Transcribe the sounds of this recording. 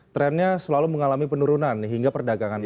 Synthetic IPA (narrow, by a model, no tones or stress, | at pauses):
t̪ɾɛnɲasəlaluməŋalamipənuɾunanɦiŋɡapərdaɡaŋan